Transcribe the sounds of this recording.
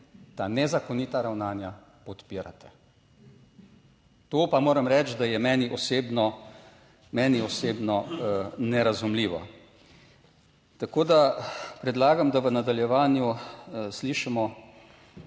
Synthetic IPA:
t̪anɛzakɔniːt̪aɾawnaːnja | pɔt̪piːɾa̰t̪ɛ̥ | t̪oːpamoːɾɐmɾɛt͡ʃd̪ajɛmɛːniʔɔseːbnɔ | mɛːniɔseːbnɔnɛɾazumliːʋɔ̰ | t̪akoːd̪apɾɛd̪laːɡamd̪aʋənad̪aljɛʋaːnjusliːʃimɔ

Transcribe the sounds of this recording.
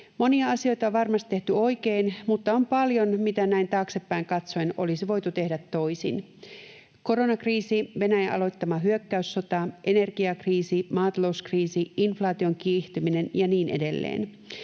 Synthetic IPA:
mo̞niɑɑsio̞jt̪ɑoʋʋɑrmɑst̪t̪ːeht̪yo̞ijkeːnmut̪ːɑompɑljo̞nmit̪ænæint̪ɑːkse̞pːæiŋkɑt̪soino̞̰lisiʋo̞jt̪ut̪e̞hdæt̪ːo̞isḭn | ko̞ɾo̞nɑkriːsiʋe̞næjɑʔɑ̰lo̞jt̪ːɑmɑɦyøkːæysːo̞t̪ɑʔe̞ne̞rɡ̥iɑkriːsimɑːt̪ɑlo̞uskriːsiinflɑːt̪io̞ŋkiht̪ymine̞njɑniːnʔe̞de̞lːḛːn

